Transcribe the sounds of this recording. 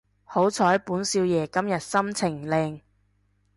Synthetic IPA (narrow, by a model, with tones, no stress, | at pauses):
ho˨˥wt͡sʰɔː˨˥jpuː˨˥nsiː˧wjɛː˨˩kɐ˥mjɐ˨t̚sɐ˥mt͡sʰɪ˨˩ŋlɛː˧ŋ